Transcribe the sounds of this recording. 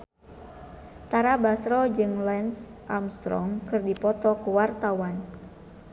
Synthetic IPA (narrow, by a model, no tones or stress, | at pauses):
t̪aɾabasɾɔd͡ʒɨŋlɛnsʔamst̪ɾɔ̰mkɨrdipɔt̪ɔkuwart̪awan